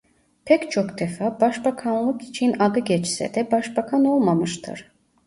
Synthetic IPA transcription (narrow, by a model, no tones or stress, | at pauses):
pʰɛct͡ʃʰokd̪ɛfabɑʃbakʰanlˠɯkʰi̥t͡ʃʰinɑɡ̪ɯɡʲɛt͡ʃsɛ̰d̪ɛbɑʃbakʰanolˠmamɯʃt̪ʰɯ̰ɾ